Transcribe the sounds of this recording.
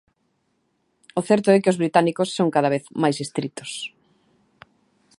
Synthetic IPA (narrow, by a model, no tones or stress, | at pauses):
oθɛɾt̪ʊɛkɪozβɾit̪anikʊsːoŋkaðaβeθmajsist̪ɾit̪ʊ̥s